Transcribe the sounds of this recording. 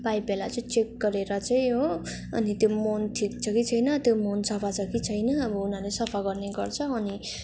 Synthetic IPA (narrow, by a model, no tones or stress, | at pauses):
bajbelat͡sʌĩt͡sek̚ɡʌɾeɾʌt͡saĩɦo | ʌ̰nit̪jomonʈʰik̚t͡sʰʌkit͡sʰʌjnʌt̪jomonsʌpʰat͡sʰʌkit͡sʰʌjnʌʌbʌunalesʌpʰaɡʌrneɡʌrt͡sʰʌːni